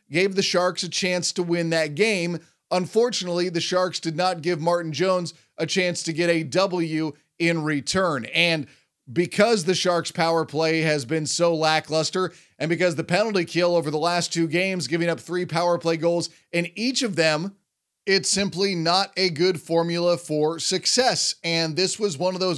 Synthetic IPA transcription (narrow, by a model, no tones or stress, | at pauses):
ɡ̥eɪvðɨʃɑɹksɨt͡ʃʰæ̃nstəwɪ̃nðɨt̚ɡ̥ẽɪ̃m | ə̃ɱfɔɹt͡ʃɨnətˡliðɨʃɑɹksd̥ɨdⁿnət̚ɡ̥ɪvmɑɹʔn̩d͡ʒõʊ̃nz | ʔɨt͡ʃʰæ̃nstɨɡɛɾɨdʌbl̩ˠjʉ | ɪ̃nɹitʰɜ̃˞nɨ̃n | bɨkʰʌzðɨʃɑɹkspʰaʊə˞pʰl̥eɪɨzbɨ̃nsoʊlæklʌstə˞ | ʔɨ̃nbɨkʌzðɨpʰɛnl̩ˠtikʰɪlˠoʊvə˞ðəlæstʰʉɡẽɪ̃mzɡɪvɪ̃ŋʌp̚θɹipʰaʊə˞pʰl̥eɪɡoʊlˠz | ɨ̃nit͡ʃʌvðɨ̃m | ɪtsɪ̃mplinəɾɨɡʊd̥fɔɹmjl̩ˠəfə˞sɨksɛsɨ̃nðɪswʌzwʌ̃nʌvðoʊz